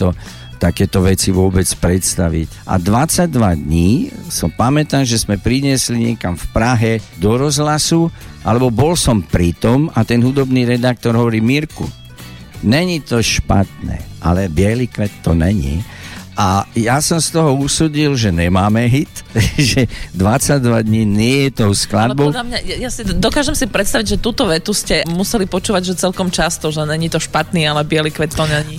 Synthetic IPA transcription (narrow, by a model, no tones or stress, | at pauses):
t̪ɔ | t̪akɛːt̪ɔʋɛt͡siʋʊɔbɛt͡spɾɛt̪st̪aʋḭc | ʔa̰d̪ʋat͡saɟ̚d̪ʋad̪ɲiːsɔmpamɛt̪anʒɛzmɛpɾiɲɪɛsliɲɪɛkamfpɾaɦɛd̪ɔɾɔzɦlasuʔa̰lɛbɔbɔlsɔmpɾit̪ɔmat̪ɛnɦud̪ɔbniːɾɛd̪ak̚t̪ɔɾɦɔʋɔɾiːmiɾkṵ | nɛɲit̪ɔʃpa̰t̪nɛ̰ʔa̰lɛbɪɛlikʋɛt̪ːɔnɛ̰ɲḭ | ʔajasɔmst̪ɔɦɔusuːɟilʒɛɲɛmaːmɛɦit̪ʒɛd̪ʋat͡saɟd̪ʋad̪ɲiːnɪɛjɛt̪ɔʊsklad̪bɔɔdamɲajajasid̪ɔkaːʒɛmsipɾɛt̪st̪aʋiɟʒɛt̪uːt̪ɔʋɛt̪uscɛmusɛlipɔt͡ʃuːʋaɟʒɛt͡sɛlkɔmt͡ʃast̪ɔʒɛɲɛɲit̪ɔʃpat̪niːalɛbɪɛlikʋɛt̪ːɔɲɛɲi